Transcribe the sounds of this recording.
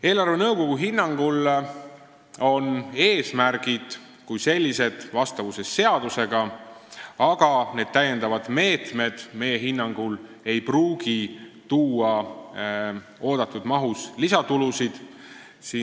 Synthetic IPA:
e̞ːlɑrve̞nɤwko̞ɡ̥uɦinːɑŋɡ̥ul | o̞ne̞ːsmærɡ̥id̪̥ | kujse̞lʲːise̞d̪̥vɑst̪ɑvuse̞sːe̞ɑd̪use̞ɡ̥ɑ | ɑɡ̥ɑne̞d̪̥̚t̪æjːe̞nd̪ɑvɑd̪̥me̞ːt̪me̞d̪̥me̞je̞ɦinːɑŋɡ̥ul | e̞jpruːɡ̥it̪uːɑ | o̞ːd̪̥ɑt̪ːˑud̪̥mɑɦuslisɑt̪ulusid̪̥ | siː

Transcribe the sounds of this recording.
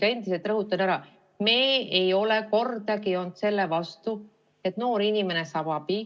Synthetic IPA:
e̞nd̪ise̞lt̪ˑrɤɦut̪ːˑɑnæɾɑ | meːejo̞le̞ko̞rd̪ɑkio̞nd̪se̞lːevɑst̪u | et̪no̞ːɾinime̞ne̞sɑbɑbi

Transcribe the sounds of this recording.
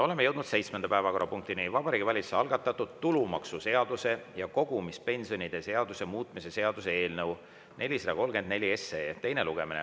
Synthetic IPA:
o̞le̞me̞jɤ̞wd̪nud̪se̞jt̪smenɑpæevɑko̞rɾʔɑpuŋk̚t̪inivɑbɑɾiːɡivɑlʲit̪seɑlɡ̥ɑt̪ːˑɑt̪ːˑud̪̥t̪ulumɑksuse̞ɑd̪̥use̞jɑko̞ɡ̥umispe̞nsio̞nid̪̥e̞se̞ɑd̪̥use̞muːt̪ˑmise̞se̞ɑd̪̥use̞e̞ːlnɤw | ne̞lʲːisɑd̪ɑ̰ko̞lːɡend̪̚nelʲie̞sːet̪e̞jneluɡ̥e̞minḛ

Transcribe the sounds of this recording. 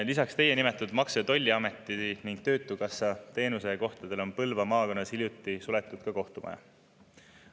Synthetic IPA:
lisɑkst̪e̞je̞nimet̪ːˑud̪̥mɑkset̪o̞lʲːiɑme̞t̪ːˑiniŋɡ̥̚t̪ø̞ːt̪ːˑukɑsɑt̪e̞ːnuse̞ko̞ht̪ɑd̪̥e̞lo̞npɤlvɑmɑːkonːɑshilʲjut̪ːˑisule̞t̪ːˑud̪̥kɑko̞ht̪umɑ̰jɑ̰

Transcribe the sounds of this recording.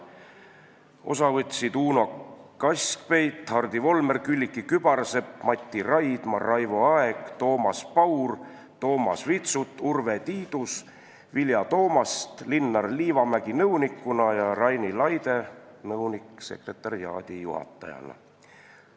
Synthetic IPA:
o̞̰sɑvɤt̪ʲsid̪uːno̞kɑsʲkpe̞jt̪hɑrd̪̥ivo̞lme̞rkylʲːikːikyb̥ɑrse̞pmɑt̪ʲːirɑjd̪̥mɑrːɑjvoɑeɡ̥t̪o̞ːmɑspɑwr | t̪o̞ːmɑ̰svit̪sut̪ːˑurve̞t̪iːd̪̥us | viljɑt̪o̞ːmɑst̪linːɑrliːvɑmæɡ̥inɤwnikːˑunɑjɑrɑjnilɑjd̪enɤwnikse̞̰kre̞t̪ˑːɑɾiɑ̰ːd̪̥ijṵhɑ̰t̪ːˑɑ̰jɑ̰lɑ̰

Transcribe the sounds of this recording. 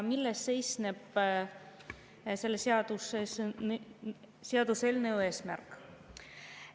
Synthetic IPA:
milːesːe̞jsneb̥ | se̞lːeseɑd̪̥use | seɑd̪̥uselnewe̞ːsmærkˑ

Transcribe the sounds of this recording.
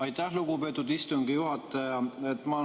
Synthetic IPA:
ɑjt̪ːæhluɡ̥upe̞ːt̪ːˑud̪ist̪uŋɡ̥ijuɦɑt̪ːˑɑjɑet̪ːmɑ

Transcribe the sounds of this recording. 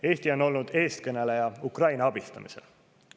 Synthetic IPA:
e̞ːst̪io̞no̞lnud̪̥e̞ːst̪kɤnelejɑukrɑjnɑɑb̥ist̪ɑ̰mise̞̰l

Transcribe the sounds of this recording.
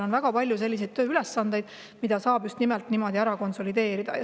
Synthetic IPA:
onvæɡ̥ɑpɑlʲjus̬e̞lʲːis̬ed̪̚t̪ø̞ːyle̞sːɑnd̪e̞jd̪̥̚ | mid̪̥ɑsɑːb̥just̪nimelt̪ˑnimo̞d̪iæɾɑko̞nso̞lid̪e̞ːɾid̪̥ɑ̰jɑ

